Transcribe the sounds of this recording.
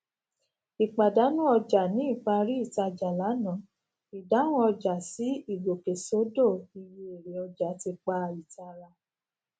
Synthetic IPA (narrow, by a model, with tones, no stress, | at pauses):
i˨k͡pa˨da˨˦nũ˦ɔ˧d͡ʒa˨nĩ˨˦i˦˨k͡pa˧ɾi˦i˦˨ta˧d͡ʒa˨la˨˦nã˨˦ | i˨da˨˦w̃ɔ̃˦ɔ˧d͡ʒa˨si˨˦i˦˨ɡo˨ke˨so˨˦do˦˨i˨wi˧e˨ɾe˨ɔ˧d͡ʒa˨˦ti˧k͡pa˧i˨ta˧ɾa˧